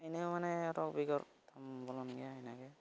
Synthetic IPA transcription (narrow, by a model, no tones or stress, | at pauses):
ajnɛmanɛɔtɔk̚biɡɔɹ | tʰambɔlɔnɡijaajnaɡɛ